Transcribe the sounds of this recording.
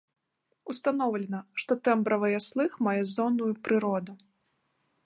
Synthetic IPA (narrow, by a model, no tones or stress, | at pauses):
ust̪anɔwlʲɛnɐʂt̪ɔt̪ɛmbɾɐvɐjaslˠɨxmajɛzɔnujupɾɨɾɔd̪u